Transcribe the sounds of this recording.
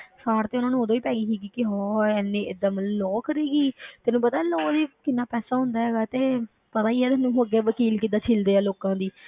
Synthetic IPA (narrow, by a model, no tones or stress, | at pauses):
saːɾt̪eːʊnãːnũoːd̪õːiːpɛːɡiːɦiːɡiːkɪɦɔːɛːnːẽːʔɪd̪əmlɔːkəɾeːɡiːt̪ɛːnũːpət̪aːlɔːd̪eːkɪnːaːpɛːsaːɦʊ̃nd̪aːɦɛːɡaːt̪eː | pət̪aːiːɛːt̪ɛːnũːɦoɡɛːʋəkiːlkid̪aːt͡ʃʰɪld̪eːaːloːkãːd̪iː